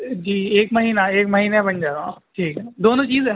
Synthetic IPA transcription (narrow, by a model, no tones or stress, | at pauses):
d͡ʒiːeːkmɐɦiːnaeːkmɐɦiːnebɐnd͡ʒaːɾã̰ʈʰiːkɦɛd̪oːnõt͡ʃiːzɛ